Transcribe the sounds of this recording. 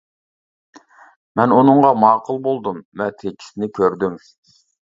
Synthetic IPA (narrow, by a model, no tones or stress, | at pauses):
mɛnunɨŋʁɑmɑːqʰəlˠbolˠd̪umːɛt̪ʰekʲʰi̥sɪnɪkʲʰøɾd̪ym